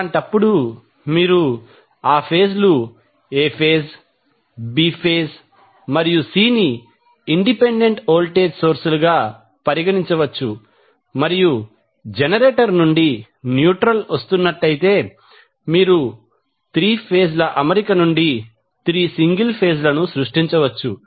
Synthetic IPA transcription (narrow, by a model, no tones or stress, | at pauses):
ɳʈɐpːuɽu | miːɾu | aːpʰe̞ːslu | eːpʰeːs | bipʰeːs | mɐɾijusiːniː | ɳɖipeɳɖe̞ɳʈoːlʈeːd͡ʒso̞ːɾsuluɡaː | pɐɾiɡɐɽiɲt͡ʃɐʋɐt͡ʃːu | mɐɾiju | d͡ʒenɐɾeːʈɐɾnuɳɖi | njuːʈɾɐlʋɐst̪unːɐʈːɐjit̪e̞ː | miːɾu | t̪ɾiːpʰeːslɐʔɐmeɾikɐnuɳɖi | t̪ɾiːsiŋɡilpʰe̞ːslɐnusɾuʂʈiɲt͡ʃɐʋɐt͡ʃːṵ